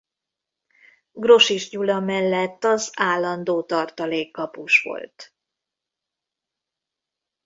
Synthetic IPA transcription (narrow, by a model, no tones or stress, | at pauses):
ɡro̞ʃiʒɲulɒmɛlːɛt̪ːɒzaːlːɒnd̪oːt̪ɒrt̪ɒleːkːɒpuʃʋo̰lt̪